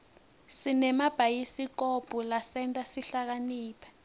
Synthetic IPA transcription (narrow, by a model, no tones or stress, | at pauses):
sinɛmab̥ʱajisik̬ob̥ʱulasɛntʼasiɬak̬aniːpʰḁ